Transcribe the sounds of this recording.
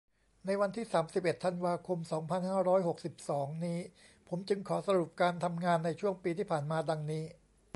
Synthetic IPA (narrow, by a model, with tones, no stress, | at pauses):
na˧jwa˧nt̪ʰiː˥˩saː˩˦msi˨˩pʔe˨˩t̪ʰːa˧nwaː˧kʰo˧msɔː˩˦ŋpʰa˧nhaː˥˩ɾɔː˦˥jɦo˨˩k̚si˨˩p̚sɔː˩˦ŋniː˦˥ | pʰo˩˦mt͡ɕɯ˧ŋkʰɔː˩˦sa˧ɾu˨˩p̚kaː˧nt̪ʰa˧mŋaː˧nːa˧jt͡ɕʰu˥˩əŋpiː˧t̪ʰiː˥˩pʰaː˨˩nmaː˧da˧ŋniː˦˥